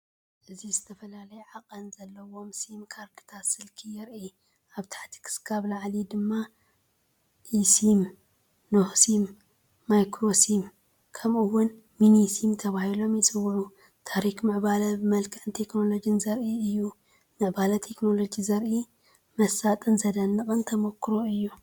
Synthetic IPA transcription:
ʔɨzizɨt̪ʰɐfɐlalɐjɛʕakʼɐnzɐlːɐwo̞msimkʰaɾɡɨ̥t̪ʰasɨlkʰijɪɾi | ʔaβt̪ʰḁħt̪ʰi̥kʰɨ̥skʰaβlaʕlid̪ɨmːa | ʔisim | nohsimː | ajkɾosim | kʰɐmʔɨwʊn | minisimt̪ʰɐβahilo̞mjɪt͡sʼɨwːʕu | t̪ʰaɾikmɨʕbalɐbɨmɐlkʰʼɐʕɨnt̪ʰe̞kno̞lo̞d͡ʒɨnzɐɾʔiɨjːu | mɨʕbalɐt̪ʰe̞kno̞lo̞d͡ʒizɐɾʔi | mɐsat̪ʼɨnzɐd̪ɐnːɨkʼɨnt̪ʰɐmokːɾoɨjːu

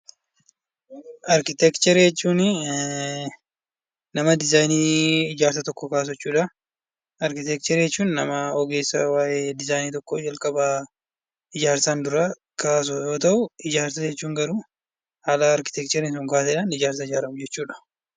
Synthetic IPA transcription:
ʔɐɾkɪt̪ɛkt͡ʃɛɾjɛt͡ʃːuːnɪ | nɐmɐd̪ɪzajniːɪd͡ʒaːɾsɐt̪ɔkːɔkaːs̬ɛt͡ʃːuːᶑɐ | ɐɾkɪt̪ɛk̚t͡ʃɛɾjɛt͡ʃːuːnːɐmɐɔɡeːsːɐwaːʔed̪ɪzaːjniːt̪ɔkːod͡ʒɐlkʼɐba | ɪd͡ʒaːɾsand̪ʊɾa | kaːs̬ʊjo̞ːt̪ɐʔʊɪd͡ʒaːɾsɐd͡ʒɛt͡ʃːuːŋɡɐɾuː | haːlɐːɾkɪ̥t̪ɛk̚t͡ʃɛɾɪnsʊŋkaːsɛᶑanɪd͡ʒaːɾs̬ɐɪd͡ʒaːɾɐmd͡ʒɛt͡ʃːuːᶑɐ̥

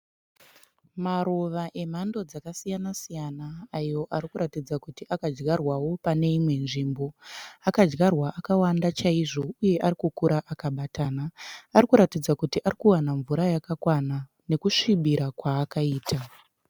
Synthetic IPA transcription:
maɾoʋaʔem̤ando̞d͡zakasijanasijanaːjo̞ʔaɾikuɾatid͡zakutiʔakad͡ʒɡarwawo̞pane̞imwe̞nʐimbo̞akad͡ʒɡarwaʔakawandat͡ʃaiʐo̞uje̞ʔaɾikukuɾaʔakaɓatʰaːnaːɾikuɾatid͡zakutiʔaɾikuwanaɱvuɾajakakwana | ne̞kuʂiɓiɾakwaːkaiːta

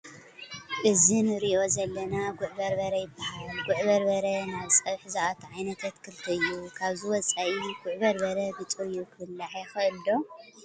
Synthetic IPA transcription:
ʔɨzinɨɾiʔo̞zɐlːɐnaɡʊʕbɐɾbɐɾɐjɪbːahalɡʊʕβɐɾbɐɾɐnaβsʼɐβħzaʔat̪ʰʕajnɐt̪ʰat̪kʰɨlt̪ʰɐɨjːukʰaβziwɔt͡sʼaʔiɡʊʕbɐɾbɐɾɐbɨt͡sʼuɨjːukʰɨɨlːaʕjɛxɨʔɨld̪o̞

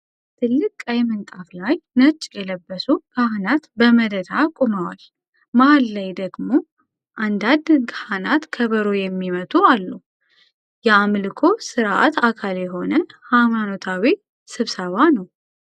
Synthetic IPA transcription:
t̪ʰɨlːɨkʼajɛmɨnt̪ʼaflajnət͡ʃʼːjɛləbːəsukʰahnat̪bəməd̪əd̪akʼuməwa̰l | mahalːajd̪əɡmo̞ | ʔand̪ad̪kʰahanat̪kʰəβəɾojɛmːimət̪ʼualːu | jɛamlɨkʰo̞sɨɾaʔa̰t̪ʰakʰaljɛɦo̞nəhamano̞t̪ʰawi | sɨβsəβanəw

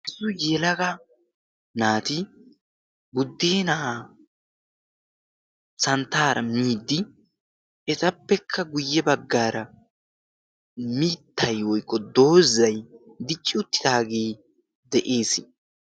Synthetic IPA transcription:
ʔɪsʊjelɐɡɐ | naːt̪ɪ | bʊd̪ːeːnɐa | sɐnt̪ːaːɾɐ̰miːd̪ːɪ | ʔɛt̪ɐpːɛkʰːɐɡʊjːɛbɐɡːaːɾɐ | miːt̪ːɐjwɔjkːɔd̪o̞ːzɐjd̪ɪt͡ʃʼːɪʊt̪ːɪ̥d̪aːɡeː | d̪ɛʔe̞ːsɪ

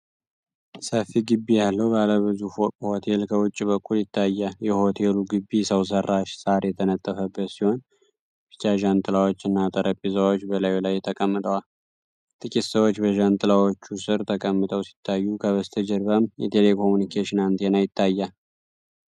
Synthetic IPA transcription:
səfːiɡɨbːijalːəwbaləβɨzuho̞t̪ʰe̞lkʰəwʊt͡ʃʼːibəkʰʼːuljɪt̪ʰːajːajɛho̞t̪ʰe̞luɡɨbːisəws̬ərːaʃsaɾjɛt̪ʰənət̪ʼːəfəbːət̪siho̞n | bit͡ʃʼaʒant̪ʼɨlawo̞t͡ʃːɨnːat̪ʼəɾəpʼːizəwot͡ʃːbəlajlajt̪ʰəkʼəmːɨt̪ʼəwal | t̪ʼɨkʼit̪səwot͡ʃːbəʒant̪ʼɨlawo̞t͡ʃːusɨɾt̪ʰəkʼəmːɨt̪ʼəwsi̥t̪ʰːajːukʰəβəst̪ʰəd͡ʒɛɾbamjɛt̪ʰele̞kʰo̞munikʰeʃɪnant̪ʰenajɪt̪ʰːajːa

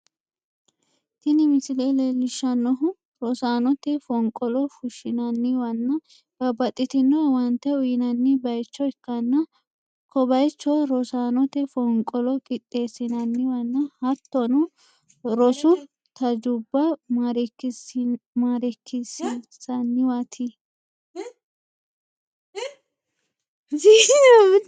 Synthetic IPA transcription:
t̪ɪnɪmɪsɪlelelːɪʃːɐnːɔɦʊ | ɾɔsaːnɔt̪ɛfɔŋkʼːɔlɔfʊʃɪnɐnːɪwɐnːɐ | b̥ɐbɐt̪ʼːɪt̪ɪnːɔwɐnt̪ːɛʊjɪnɐnːɪbɐjt͡ʃːɔɪkːɐnːɐ | kʰɔbɐjt͡ʃːɔɾɔsaːnɔt̪ɛfɔŋkʼɔlɔkʼɪt̪ʼːe̞ːsːɪnɐnːɪwɐnːɐhɐt̪ːɔnʊ | ɾɔsʊ | t̪ɐd͡ʒʊbːɐɾ | maːɾɛkːɪsisɐnːɪwɐt̪ʰi | i

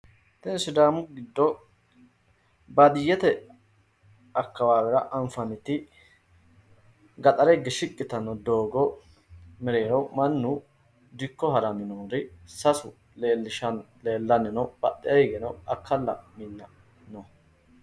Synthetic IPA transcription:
t̪ɛnsʊd̪aːmʊɡɪd̪ːɔ | bɐd̪ɪjːɛt̪ɛ | ɐkːɐwaːwɛɾɐʔɐɱfɐnɪt̪ːɪ | ɡɐt̪ʼɐɾɛɡːɛʃɪkʼːɪt̪ɐnːɔd̪oːɡɔ | mɛɾeːnɐwmɐnːʊ | d̪ɪkːɔɦɐɾɐmɪnoːɾɪsɐsʊ | leːlːɪʃɐn | leːlːɐnːɪnɐwb̥ɐt̪ʼːɛɐɡɛnɐwɐkːɐlːɐ̰mɪnːɐ | nɔ

